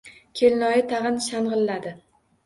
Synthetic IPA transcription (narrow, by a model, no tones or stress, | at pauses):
kʲʰelnɒjɪt̪ʰaʁɨnʃanʁɨlːad̪ɪ